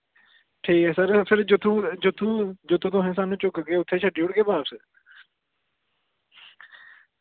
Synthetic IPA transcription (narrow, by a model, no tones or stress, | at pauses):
ʈʰiːkɛːsəɾpʰɪɾd͡ʒʊt̪ʰːũːd͡ʒʊt̪ʰːũːd͡ʒʊt̪ʰːũt̪ʊɦẽːsaːnũːt͡ʃʊkɡeːʊt̪ʰːeːt͡ʃʰəɖiːʊɽɡeːbaːpsə